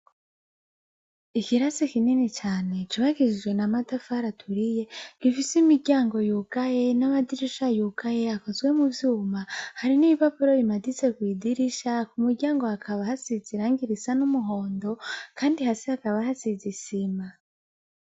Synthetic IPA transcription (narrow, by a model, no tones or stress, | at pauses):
ikiɾasikininit͡ʃaːne̞t͡ʃiβaɡiʒid͡ʒɡwe̞namadafaɾatʰuɾije̞ɡ̥ifisimiɟaːŋɡo̞juɡaje̞namadiɾiʃajukaje̞ako̞zɡwe̞muvjuːmahaɾiniipapoɾo̞imadit͡se̞kwiːdiɾiʃakumuɾɟaːŋɡo̞akʰaβahasiziɾaːŋɡiɾisanumuɦo̞ːndo̞kaːndihasehakaβahasizisima